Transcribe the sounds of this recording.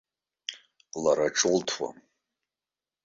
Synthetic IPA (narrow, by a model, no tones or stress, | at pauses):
laɾaʈ͡ʂʼɨltʰwa̰